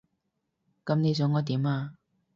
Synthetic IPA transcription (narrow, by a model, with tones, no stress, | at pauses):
kɐ˨˧mne˨˧jt͡sɔ˨˥ŋɔː˨˧t̪iː˨˥maː˧